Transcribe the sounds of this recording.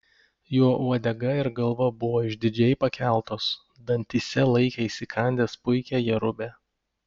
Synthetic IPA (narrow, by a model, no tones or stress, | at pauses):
joːʔuɔd̪ʲɛɡɐɪɾɡɐlˠʋɐbʊʋoːɪʒʲd̪ʲɪd͡ʒʲɛɪpɐkʲæˑlˠt̪oːs | d̪ɐnʲt̪ʲisʲɛlˠɐɪkʲɛɪsʲɪkʰɐˑnʲd̪ʲeːspʊɪkʲæːjɛɾʊbʲæː